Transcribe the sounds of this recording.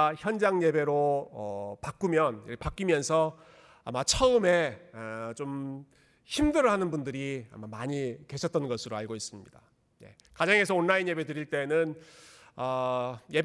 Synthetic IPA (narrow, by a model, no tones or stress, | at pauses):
çjʌnd͡ʑaŋje̞be̞ɾoʌpak͈umjʌnkepak͈imjʌnsʰʌ | a̰mat͡ɕʰʌɯme̞ | t͡ɕom | çimdɯɾɯɭɦanɯnbundɯɾia̰mamaɲike̞ɕʰʌt̚t͈ʌnɡʌsʰɯɾoaɭɡois͈ɯmɲḭd̥a | je̞̰ | kad͡ʑaŋe̞sʰʌonːainje̞be̞dɯɾiɭt͈e̞nɯn | ʌje̞b